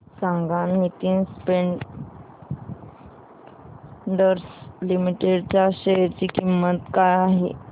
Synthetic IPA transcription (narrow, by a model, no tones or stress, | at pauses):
sãŋɡãnːit̪inspeɳ | ɖəɾslimiʈeɖt͡ɕjaɕejəɾt͡ɕiːkimːət̪kajaɦḭ